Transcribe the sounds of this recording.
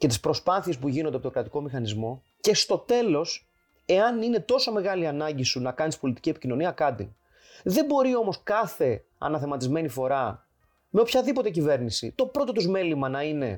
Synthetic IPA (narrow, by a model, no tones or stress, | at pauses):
ce̞t̪ispɾo̞spɐθie̞spuʝinond̪pookɾɐt̪i̥ko̞mixɐnizmo̞ | ce̞st̪o̞t̪e̞lo̞s | e̞ɐnine̞t̪o̞someɣɐliɐnɐɲɟisunɐkɐnispo̞lit̪i̥cie̞picino̞niɐkɐt̪ḭ | ðe̞mbo̞ɾio̞mo̞skɐθe̞ | ɐ̰nɐθe̞mɐt̪izme̞nifo̞ɾɐ | meo̞pçɐðipo̞t̪e̞cive̞ɾnisḭt̪o̞pɾo̞t̪o̞t̪uzme̞limɐnɐine̞